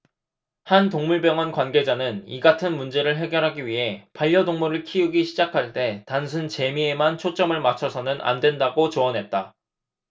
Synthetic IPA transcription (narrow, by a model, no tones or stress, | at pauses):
hantoŋmuɭbjʌŋʌnkwanɡe̞d͡ʑanɯniɡatʰɯnmund͡ʑe̞ɾɯɭɦe̞ɡjʌɾɦaɡiɥiɦe̞paʎːʌdoŋmuɾɯɭkʰiuɡiɕʰid͡ʑakʰaɭt͈e̞tansʰunt͡ɕe̞mie̞mant͡ɕʰot͡ɕ͈ʌmɯɭmat͡ɕʰʌsʰʌnɯnʔa̰ndwe̞ndaɡot͡ɕoʌnɦe̞t̚t͈a